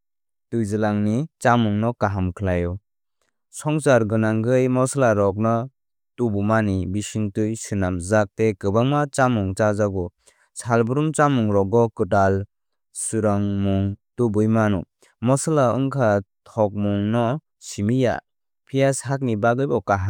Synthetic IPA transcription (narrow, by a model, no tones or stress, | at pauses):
tujzɯlaŋnit͡ʃamuŋnɔkaɦamkʰlajɔ | sɔŋsaɾɡɯnaŋɡɯjmɔslaɾɔk̬̚nɔ | tubumanibisiŋtujsɯnamzak̚tekɯbaŋmat͡ʃamuŋt͡ʃazaɡɔ | salbɯɾumt͡ʃamuŋɾɔɡɔkɯtal | suɾaŋmuŋtubɯjmanṵ | mɔslaɯŋkʰatʰɔk̚muŋnɔ | simija̰ | pʰijashak̚nibaɡɯjbɔkaɦa